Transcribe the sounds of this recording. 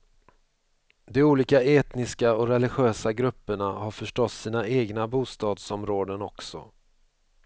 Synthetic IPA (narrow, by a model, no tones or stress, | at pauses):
d̪ɛuːliːkaeːt̪nɪskaɔɾɛlɪɧøːsaɡɾɵpːəɳahaɾfœʂʈɔt̪ːsiːnaeːɡnabuːst̪ɑːd̪sɔmɾoːd̪ənɔksɔ̰